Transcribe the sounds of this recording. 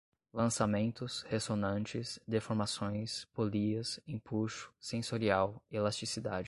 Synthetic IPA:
lɐ̃samẽnt̪ʊshesonɐ̃nt͡ʃɪsd̪efoɾmasõj̃spoliɐsĩpuʃʊ̥sẽsoɾiawelast͡ʃisid̪ad͡ʒɪ

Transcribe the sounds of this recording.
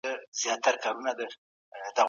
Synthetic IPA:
əz̥jɑt̪ːaɾkaɾunad̪ə | d̪a

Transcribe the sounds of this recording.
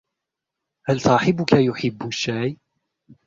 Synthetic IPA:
halsɑːħɪbʊkajʊħɪbːʊʃːaːj

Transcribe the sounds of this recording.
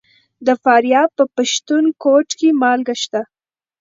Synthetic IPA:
d̪əfɑɾjɑpəpaʃt̪unkoʈkemɑlɡaʃt̪a

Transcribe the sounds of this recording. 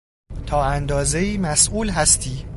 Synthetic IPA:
t̪ʰɒːænd̪ɒːze̞iːmæsʔuːlɦæst̪ʰiː

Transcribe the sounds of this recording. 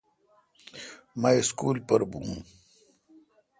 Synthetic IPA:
maiskuːlpɐɾbṵ̃ː

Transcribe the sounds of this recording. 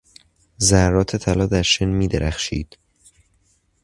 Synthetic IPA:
zæɾːɒːt̪ʰe̞t̪ʰælɒːd̪æɾʃenmiːd̪eɾʔæxʃḭːd̪̥

